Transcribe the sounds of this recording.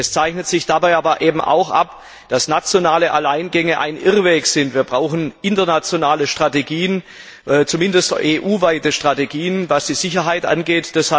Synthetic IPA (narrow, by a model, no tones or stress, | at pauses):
ɛst͡saɪçnətz̥ɪçd̥abaɪʔaːbɐʔeːbm̩ʔa̰ʊxʔa̰p | d̥asnat͡sjonaːləʔalaɪnɡɛŋəʔa̰ɪnʔɪʁveːkz̥ɪntv̥iːɐbʁaʊxn̩ʔɪntɐnat͡sjonaːləʃtʁ̥ateɡiːən | ɛːt͡sumɪndəstʔeːʔuːvaɪtəʃtʁ̥ateɡiːənvasd̥iːzɪçɐɦaɪtʔa̰nɡeːtd̥asha